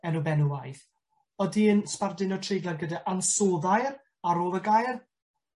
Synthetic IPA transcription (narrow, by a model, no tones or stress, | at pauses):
ɛnubɛnuwajθ | ɔdiənspardɪnɔtʰrejɡlˠanɡədaʔansoːðajr | aɾoːlˠəɡajr